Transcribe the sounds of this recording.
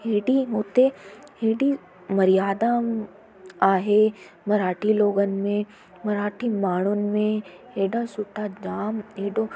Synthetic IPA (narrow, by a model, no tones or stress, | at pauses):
ɦeːɖiɦoːt̪eɦeːɖi | mɐɾijaːd̪a | aːɦemɐɾaːʈʰiloːɡənɪ̆mẽ | mɐɾaːʈʰimaːɳ̤̃ʊnɪ̆mẽɦeːɖasʊʈʰad͡ʑaːmeːɖo